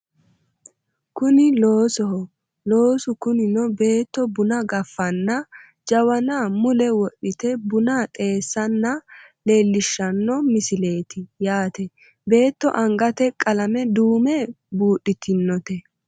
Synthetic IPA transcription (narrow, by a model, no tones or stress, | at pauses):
kʊnɪloːsɔhɔ | lo̞ːsʊkʊnɪnɔbe̞ːt̪ːɔbʊnɐɡɐfːɐnːɐ | d͡ʒɐwɐnaːmʊlɛwɔɗːɪt̪ɛbʊnaːt̪ʼe̞ːsːɐnːɐle̞ːlːɪʃːɐnːɔmɪsɪle̞ːt̪ɪjaːt̪ɛ | be̞ːt̪ːɔ̰ʔɐŋɡɐt̪ɛkʼɐlɐmɛd̪uːmɛ | buːɗɪt̪ɪnːɔt̪ɛ